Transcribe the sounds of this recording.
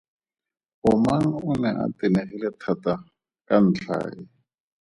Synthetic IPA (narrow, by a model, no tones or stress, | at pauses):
ʊmaŋ̩ʊnɛʔa̰tɪneχilɛtʰata | kan̩t͡ɬʰa̰ːɪ